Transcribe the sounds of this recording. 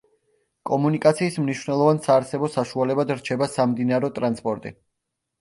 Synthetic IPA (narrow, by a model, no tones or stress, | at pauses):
kʼɔmunikʼat̪sʰiːsmniʃwvnɛlˠɔvansaːɾsɛbɔsaʃualɛbad̪ɾt͡ʃʰɛbasamd̪inaɾɛɔt̪ʼɾanspʼɔɾt̪ʼḭ